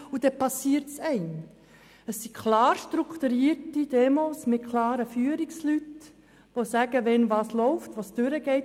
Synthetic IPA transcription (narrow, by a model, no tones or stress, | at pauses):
ud̥ɛpɑsiːəɾtsɛɪn | əsːikʰlɑːɾʃtɾukt̪uɾiːɾtid̥ɛmoːsmɪtkʰlɑːɾəfyːəɾikslyt | ʋosæɡ̥əʋɛnʋɑːslɔʊftʋɑsd̥ʏɾəɡ̥ɛɪ